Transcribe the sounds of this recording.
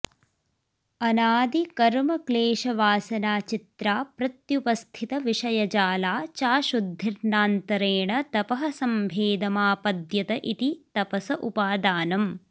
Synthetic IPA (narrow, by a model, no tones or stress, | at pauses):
ɐnaːd̪ikɐɾmɐkleːʃɐʋaːsɐnaːt͡ʃit̪ɾaːpɾɐt̪jupɐst̪ʰit̪ɐʋiʂɐjɐd͡ʒaːlaːt͡ʃaːʃud̪ʱːiɾnaːnt̪ɐɾeːɳɐt̪ɐpɐɦɐsɐmbʱeːd̪ɐmaːpɐd̪jɐt̪ɐʔit̪it̪ɐpɐsɐʔupaːd̪aːnɐm